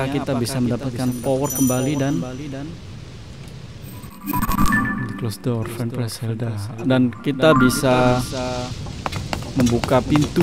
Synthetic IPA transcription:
akit̪abisaməndapat̪̚kanpɔwərkəmbalidan | dklosdɔrfɛnpɾɛshɛldadankit̪abisa | məmbukapint̪u

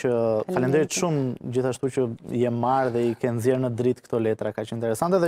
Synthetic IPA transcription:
əfalɛnd̪iɛt̪ʃumd͡ʑiθaʃt̪ucəjɛmaɾðɛikɛnzjɛɾnəd̪ɾit̪kt̪ɔlɛt̪ɾakat͡ʃɛnint̪ɛɾɛsant̪ɛðɛ

